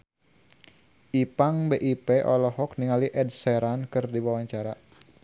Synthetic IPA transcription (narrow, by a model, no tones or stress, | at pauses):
ʔipaŋbeʔipeʔɔlɔɦɔk̚niŋaliʔɛdsɛɾankɨrdibawaɲt͡ʃaɾa